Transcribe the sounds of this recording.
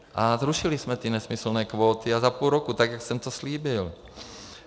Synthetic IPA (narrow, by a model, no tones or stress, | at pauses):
ʔazɾuʃɪlɪsmɛt̪ɪnɛsmɪsl̩nɛːkvoːt̪ɪazapulɾokut̪aɡjaksɛmt̪osliːbɪl